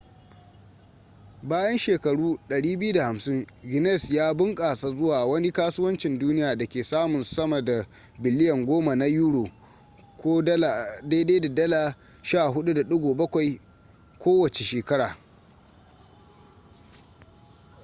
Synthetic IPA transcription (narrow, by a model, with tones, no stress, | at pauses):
baː˦jɐ˦nʃeː˨kɐ˨ɽuː˦ɗɐ˨ɽiː˦bɪ˦ju˦da˨ha˨msɪ˦ŋɡɪ˨nɛ˦˨sjaː˦bɪ˦ŋkʼaː˨sʼa˨zʊ˦waː˨wɐ˦ni˦kaː˦su˦wɐ˦nt͡ʃɪ˨nduː˦nɪ˦jaː˨dɐ˨kʲeː˨saː˦mʊ˨nsɐ˦mɐ˨da˨ | bɪ˨lɪ˦jɐ˨ŋɡʷoː˦ma˨na˦juː˦ɽoː˨ | kʷoː˦dɐ˦la˨de˦de˦da˨dɐ˦laː˨ | ʃaː˦˨ɦʊ˦ɗu˦da˨ɗʊ˦ɡʷoː˨bɐ˦kʷa˨j | kʷoː˦wɐ˨t͡ʃe˨ʃeː˨kɐ˦ɽaː˨